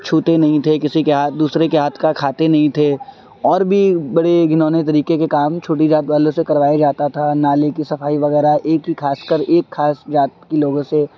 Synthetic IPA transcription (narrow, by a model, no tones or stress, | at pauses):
t͡ʃʰuːt̪enɐɦĩt̪ʰekɪsikeɦaːtd̪uːsɾekeɦaːt̪ʰkakʰaːt̪enɐɦĩt̪ʰe | ɔːɾbʱibɐɽeɡʱɪnoːnet̪̬ɐɾiːkekekaːmt͡ʃʰoːʈid͡ʒaːt̪ʋaːlõsekɐɾʋaːjad͡ʒaːt̪at̪ʰanaːlekisɐfaːiʋɐɣɛːɾaʔeːkɦikʰaːskəɾeːkxʰaːsd͡ʒaːt̪̚kiloːɡõse